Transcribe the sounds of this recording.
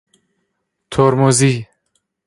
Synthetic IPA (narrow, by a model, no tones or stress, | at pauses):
t̪ʰoɾmozi